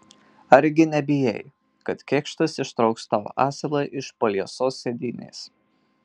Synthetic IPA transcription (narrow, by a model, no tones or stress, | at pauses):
ɐɾʲɡʲɪnʲɛbʲɪjɛ̰j | kɐt̪kʲɛːkʃt̪ɐsɪʃt̪ɾɒʊkst̪ɑ̰ːʔɑːsʲɛlˠɐːʔɪʃpɐlʲiɛsoːsːʲɛd̪ʲɪnʲḛːs